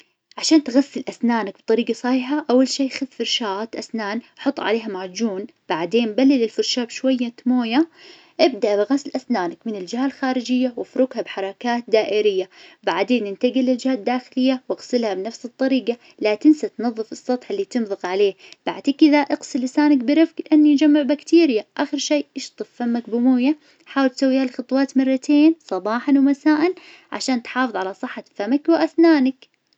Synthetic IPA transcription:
ʕaʃaːnt̪ɣasːɪlʔasnaːnak̚b̥t̪ˤɑɾiːɡɑsˤɑħiːħaʔawːalʃiːxaðfʊɾʃaːt̪ʔasnaːnħʊt̪ˤːʕa̰leːɦamaʕd͡ʒuːn | b̥aʕd̪eːnbalːɪlɪlfʊɾʃaːbʃwajːat̪moːja | ʔɪb̚d̪aʔbɪɣaslʔasnaːnakmɪnɪld͡ʒɪhalxaːɾɪd͡ʒɪjːawɪfɾʊɡhabħɑɾˤɑkaːt̪̚d̪aːʔɪɾɪjːabaʕd̪eːnʔɪnt̪aɡilɪld͡ʒɪhaːd̪ːaːxɪlɪjːawɪɣsɪlhabnafsɨt̪ˤːɑɾiːqɑ | lat̪ɪnsat̪nɑðˤːɨfɨsˤːɑt̪ˤħɪlːit̪ɨnðˤɨqʕaleːhb̥aʕd̪kʔɪðaʔɪqsɪlːɪsaːnakbɪɾɪfklɪʔanːijd͡ʒamːɪʕbakt̪iːɾjaʔaxɪɾʃeːʔɪʃt̪ˤɨfːamːak̚bʊmuːja | ħaːwɪlt̪sawːiːhalxɑt̪ˤwɑːt̪mɑrˤːɑt̪ʰeːnsˤɑbɑːħɑnwmasaːʔɪn | ʕa̰ʃaːnt̪ħɑːfɨðˤʕalasˤɨħːafamakwɪʔaθnaːnak

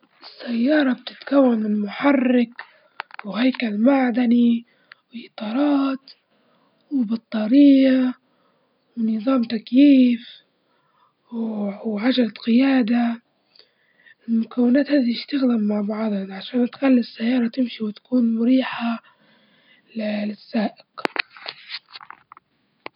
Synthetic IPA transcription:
ɪsːajːɑːɾˤɑb̚t̪ɪ̥t̪kawːanmɪmʊħɑrːɪk | wɪhajkalmaʕd̪ani | wɪlʔɨt̪ˤɑːɾˤɑːt̪ | wɪbɑt̪ˤːɑːɾɪːa | wɪnɨðˤɑːmt̪akjiːf | wʕad͡ʒalat̪qɪjaːd̪a | mʊkawːɪnaːt̪haːd̪iɪʃt̪aɣd̪amːaʕbɑʕd̪ˤʕaʃaːnt̪xalːɪsːajːɑːɾˤɑt̪ɪmʃiwɪt̪ḁkuːnmʊɾiːħa | llɪsːaːʔɪq

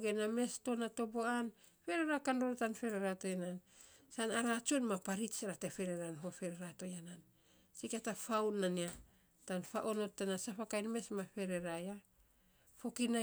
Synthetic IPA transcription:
ɡename̞sto̞natoboan | fe̞ɾeɾakandoɾotanfe̞ɾeɾato̞janan | sanaɾat͡ʃonmapaɾit͡ʃaɾatefe̞ɾeɾanɦo̞fe̞ɾeɾato̞janan | sikatafawnania | tanfaʔo̞no̞tːanasapakajnme̞smaɸe̞ɾe̞ɾaja | fo̞kina

